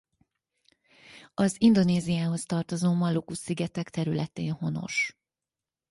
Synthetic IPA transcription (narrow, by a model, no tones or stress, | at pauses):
ɒzind̪o̞neːzijaːɦo̞st̪ɒrt̪o̞zoːmɒlokusːiɡɛt̪ɛkt̪ɛɾylɛt̪eːnho̞no̞̰ʃ